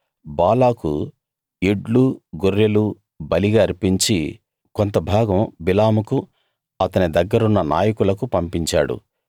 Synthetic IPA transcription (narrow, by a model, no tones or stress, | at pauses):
baːlaːkṵ | eɖluɡuɾːelu | bɐliɡaːɐɾpiɲt͡ʃi | kont̪ɐbʱaːɡɐmbilaːmuku | ɐt̪ɐnid̪ɐɡːɐɾunːɐna̰ːjɐkulɐkupɐmpiɲt͡ʃa̰ːɽṵ